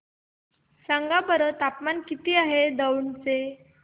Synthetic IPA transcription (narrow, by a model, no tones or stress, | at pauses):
saŋɡabəɾət̪apmankit̪iːaɦed̪əwɳt͡se